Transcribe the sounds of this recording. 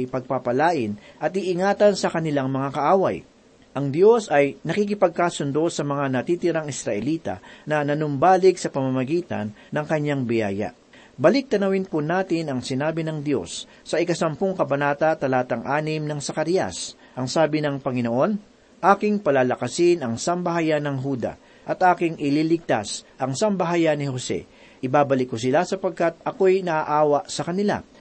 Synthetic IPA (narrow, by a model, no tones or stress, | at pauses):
jpɐɡ̚papɐlaːʔɪnʔɐt̪̚iʔɪŋaːt̪ɐnsɐkɐnɪlaŋmɐŋakɐʔaːwɐj | ʔɐŋd̪jo̞sʔɐjnɐkik̬ɪpɐɡ̚kaːsʊnd̪o̞sɐmɐŋanɐt̪iːt̪ɪɾaŋɪsɾɐʔɛliːt̪ɐ̰nɐnɐnʊmbaːlɪɡsɐpɐmamɐɡiːt̪ɐ̰nːɐŋkɐɲːaŋbɪjaːjɐ̰ | bɐlɪk̚t̪ɐnɐwɪnpʊnaːt̪ɪnɐŋsɪnaːbɪnɐŋd̪jo̞̰sː | ɐʔɪkɐsɐmpoŋkɐbɐnaːt̪ɐt̪ɐlaːt̪ɐŋʔaːnɪmnɐŋsɐkɐɾijɐ̰s | ʔɐŋsaːbɪnɐŋpɐŋɪno̞ʔo̞n | ʔaːkɪŋpɐlaːlɐkɐsɪnɐŋsɐmbɐɦajanɐŋɦuːd̪ɐ̰ | ʔɐt̪ʔaːkɪŋʔɪliːlɪɡ̚t̪asʔɐŋsɐmbɐɦajanɪho̞sɛ̰ | ʔɪbaːbɐlɪkːʊs̬ɪlasɐpɐɡ̚kat̪̚ɐko̞jnɐʔaʔaːwɐʔsɐkɐnɪla̰